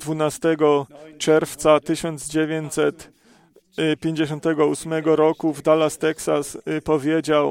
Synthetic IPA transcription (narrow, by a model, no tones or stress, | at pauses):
d̪vunast̪ɛɡɔt͡ʂɛɾft̪sat̪ɘɕɔnd̪zd͡ʑevʲjeɲt͡ɕʲsɛt̪ | pʲjeɲd͡ʑeɕ̬ɔ̃nt̪ɛɡɔusmɛɡɔɾɔkuvd̪alast̪ɛksaspɔvʲjed͡ʑaw